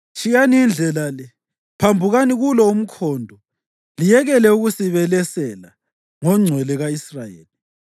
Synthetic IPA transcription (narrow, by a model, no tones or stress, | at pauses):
t͡ʃʰʼijaniind͡ɮʱɛlalɛ | pʰambʱuɣaniɣulɔum̩kʰɔːndʱɔ | lijɛɣɛlɛuɣusiβɛlɛsɛla̰ | ŋɔŋ͡ǀʱwɛlɛɣaisrajḛːli